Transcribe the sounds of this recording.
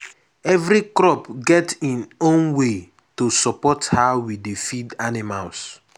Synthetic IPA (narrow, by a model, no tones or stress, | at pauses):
ɛvɾikɹɔpɡɛtĩnõnwe | tosɔpɔthawidefidanimals